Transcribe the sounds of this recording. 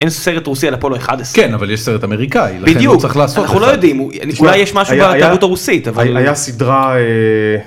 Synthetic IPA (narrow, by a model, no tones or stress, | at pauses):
enseʁetʁusialapoloeχadeskenavaljeʃseʁet̪ameʁikailabidejut͡sʁiχlaːsotnaχnulojod̪imu | ulajeʃmaʃaujbatamutaʁusit̪avaalajasidʁae